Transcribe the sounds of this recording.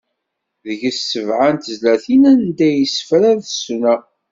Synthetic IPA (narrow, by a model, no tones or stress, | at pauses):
ðəʝəsːəvʕant̪əzlæθinænd̪æjəsə̥fɾæðəsnæ